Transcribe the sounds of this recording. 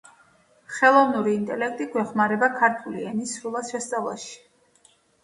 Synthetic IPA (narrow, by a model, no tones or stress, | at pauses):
χɛlˠɔvnuɾiːnt̪ʼɛlɛk̚t̪ʼiɡwɛχmaɾɛbakʰaɾt̪ʰuliɛnisɾulˠasʃɛst̪sʼavlˠa̰ʃi̥